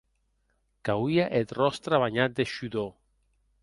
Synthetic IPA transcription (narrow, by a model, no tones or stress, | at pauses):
kawiaʔet̪rɔst̪ɾaβaɲat̪̚d̪eʃuðo